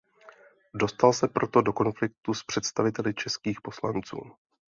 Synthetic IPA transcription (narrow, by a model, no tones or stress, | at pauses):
do̞st̪alsɛpɾʔo̞t̪o̞do̞ko̞nflɪk̚t̪uspr̝̥ɛt̪st̪avɪt̪ɛlɪt͡ʃɛskiːxpo̞slant͡sṵː